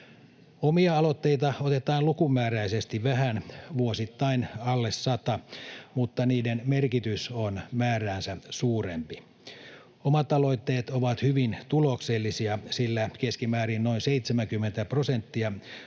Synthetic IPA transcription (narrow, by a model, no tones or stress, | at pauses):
omiɑɑlot̪ːeit̪ɑot̪et̪ɑːlukumːæːræisest̪iʋʋæhænʋuosit̪ːɑinɑlːesːɑt̪ɑmut̪ːɑniːdenmerkit̪ysonmæːræːnsæsuːrempi | omɑt̪ɑlo̞it̪ːeːt̪oʋɑt̪hyʋint̪ulokselːisiɑsilːækeskimæːɾinnoinseit̪semæŋkymːent̪æprosent̪ːiɑ